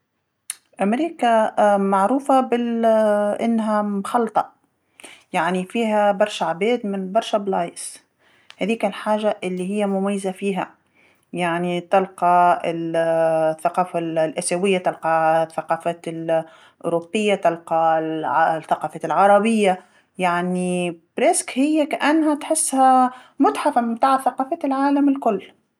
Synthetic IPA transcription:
ʔamɾiːkamaʕɾuːfabɪlʔɪnːɦamxɑlt̪ˤɑʔ | jaʕnifiːɦabɑɾˤʃaʕbeːd̪mɪnbɑɾˤʃablɑːjs | haðiːkalħaːʒaʔɪlːihɪjːamʊmajːazafiːɦa̰ | jaʕnit̪ɑlqɑɪl | θːaqɑːfallʔasawɪjːat̪ɑlqɑθːaqɑːfal | ʔʊ̰ːɾʊbːɪjːat̪ɑlqɑʕθaqɑːfalʕɑɾˤɑbɪjːa | jaʕnib̥ɾeskhɪjːakaʔanːhat̪ħɪsːhamʊt̪ħafamɪmt̪aːʕθaqɑːfat̪ɪlʕaːlamɪlkʊlː

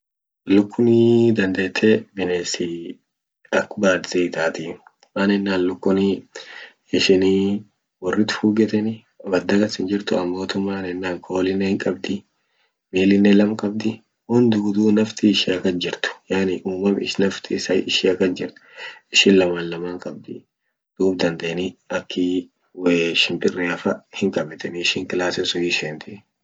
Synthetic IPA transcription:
lʊkːʊnɪd̪ɐnd̪e̞ːt̪ʰːeːbɪneːsi | ɐkːʊbaːd̪ziːt̪aːt̪iː | maːnɛnːaːnlʊkːʊnɪ | ɪʃɪni | wɔrːɪt̪ʊ̥fuːɡɛt̪ɛnɪ | bɐd̪ɐɡɐsɪnd͡ʒɪɾt̪ʊɐmːoːt̪ʊmːaːnɛnːaːŋkʰo̞ːlɪnːɛhɪŋkʼɐbd̪ɪ | miːlɪnːɛlɐmkʼɐb̚d̪ɪ | hʊnd̪ɪɡʊd̪uːnɐft̪ɪɪʃiɐkɐsd͡ʒɪɾt̪ʊ̥jaːnɪʔuːmɐmɪʃnɐft̪ʰɪsɐjɪʃɪːɐkːɐsd͡ʒɪɾt̪ʊ̥ɪʃɪnlɐmaːnlɐmaːŋkʼɐb̚d̪ɪ | d̪̥uːbd̪ɐnd̪eʔnɪɐkʰːɪ | weʃɪmpʼɪrːeɐfɐhɪŋkʼɐbɛt̪ɛnɪʃɪːŋkɪlaːsɛsʊjɪʃeːnt̪ɪ

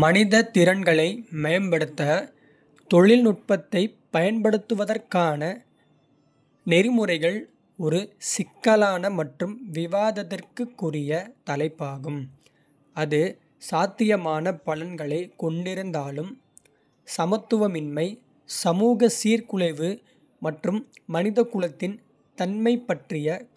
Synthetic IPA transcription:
mɐnɪðɐt̪ɪɾɐnɡɐɭɐɪmɐjɐnpɐɽɯt̪ːɐ | t̪ɔɭɪlnʊʈ̚pɐt̪ːɐɪpːɐjɐnpɐɽɯt̪ːɯʋɐðɐrkaːnɐ | nɛɾɯmɯrɐɪɣɐɭ | ɔɾɯsɪkːɐlaːnɐmɐʈrɯmʋɪʋaːðɐðɪrkɯkːʊrɪjɐt̪ɐlɐɪpːaːɣɯm | ɐðɯ | saːt̪ːɪjɐmaːnɐpɐlɐnɡɐɭɐɪkɔɳɖɪɾɯnd̪aːlɯm | sɐmɐt̪ːɯʋɐmɪnmɐɪ | sɐmuːɣɐsiːɾkʊɭɐɪʋɯ | mɐʈrɯmːɐnɪðɐkːʊɭɐt̪ːɪn | t̪ɐnmɐɪpːɐʈrɪjɐ

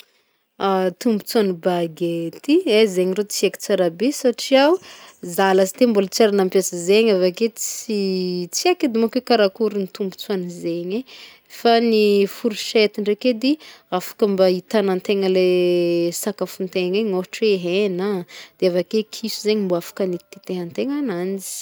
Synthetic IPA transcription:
at̪umbut͡suanibaɡet̪iezeɲirot͡siaki̥t͡saɾabesaʈ͡ʂiawzalasi̥t̪embulat͡saɾanampjasəzeɲavaket͡sit͡siaked̪emakekaɾakuɾinit̪umbu̥t͡suanizeɲe | fanifuɾuʃet̪iɳɖ͡ʐeked̪iafḁkəmbait̪anant̪eŋəlesakafunt̪eɲeɲoɦʈ͡ʂeeɦenad̪̥eavakekʰisuzeɲimboafḁkanit̪ːit̪eɦant̪eŋanand͡zi̥

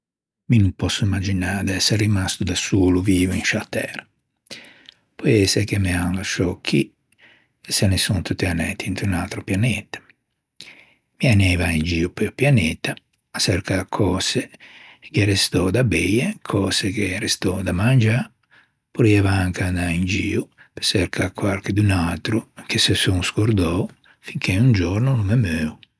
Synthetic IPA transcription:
minupɔsːuimːad͡ʒinad̪ɛsːeɾimast̪ud̪asuːluviːvuinʃat̪ɛːɾa | pɔjɛsekemianlaʃɔkʰːi | ɛsenesunt̪ut̪ːianɛt̪ːiint̪ɾunalt̪ɾopjanɛt̪ḁ | mianɛːvaind͡ʒiːupeupjanɛt̪aː | sɛɾkakʰɔːsekɛɾest̪ɔd̪abɛjekʰɔsekeɾest̪ɔd̪amand͡ʒa | puɾjɛvaaŋkanaind͡ʒiːupe̥sɛɾkʰakwaɾked̪unalt̪ɾuk̟esesuŋskoɾd̪ɔ | fiŋkʰeund͡ʒɔɾnunumɛmøu

